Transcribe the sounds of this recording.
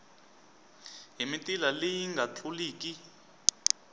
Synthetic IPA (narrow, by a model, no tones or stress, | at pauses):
ɦimitʼilalejiŋɡʱat͡ɬʰuliːki